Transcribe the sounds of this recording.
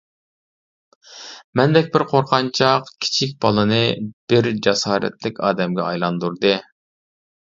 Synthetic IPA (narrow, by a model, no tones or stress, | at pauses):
mɛnd̪ɛkʲbɪɾqʰoɾqʰɑnt͡ʃʰɑqkʲʰi̥t͡ʃʰik̬̚ʲbɑlˠɨnɨb̥ɪɾd͡ʒɑsɑːɾɛ̰t̪lɪkʲɑːd̪ɛmɡʲɛɑjlˠɑnd̪uɾd̪ɨ